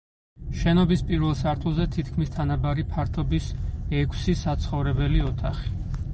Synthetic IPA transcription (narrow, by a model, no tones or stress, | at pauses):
ʃɛnɔbispʼiɾvɛlˠsaɾt̪ʰulˠzɛt̪ʰit̪ʰkʰmist̪ʰanabaɾipʰaɾt̪ʰɔbisɛkʷʰsisat̪sʰχɔvɾɛbɛliɔt̪ʰa̰χi̥